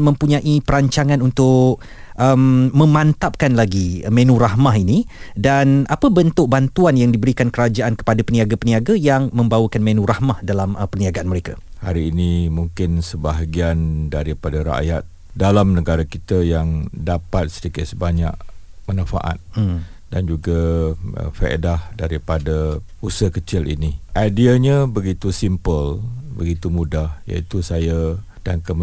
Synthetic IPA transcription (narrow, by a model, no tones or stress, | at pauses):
mə̃mpuɲãʔipəɾaɲt͡ʃaŋãnunt̪ʊʔ | ʔəmːə̃mant̪ap̚kanlaɡimẽnũɾaɦmaɦinidanʔapəbənt̪ʊk̚bant̪uanjaŋdibəɾikankəɾad͡ʒaʔankə̥padapəniaɡapəniaɡajaŋmə̃mbawəkanmenũɾahmahdalaməpərniaɡaanməɾekahaɾiːnimuŋkɪnsəbaɦaɡiandaɾipadaɾa̰ʔjat̪̚ | dalamnəɡaɾakit̪ajaŋdapat̪̚sədikɪt̪̚səbaɲa̰ʔmənãfa̰ʔa̰t̪̚dand͡ʒuɡaʔə̰fə̰ʔḛdahdaɾipada | usəhkət͡ʃɪlḭniʔajdiaɲabəɡit̪usimpəlbəɡit̪umudahja̰it̪usaja | d̥aŋkəm